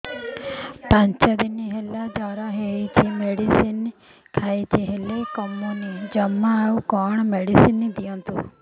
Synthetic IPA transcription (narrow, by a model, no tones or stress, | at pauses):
pãɲt͡ʃəd̪iniɦɛlad̪aɾaɦeit͡ʃʰimeɽisin | kʰait͡ʃʰeɦelekɔmːonid͡ʒəmːaaũkɔɳmeɽisinːid̪iɔ̃nt̪ṵ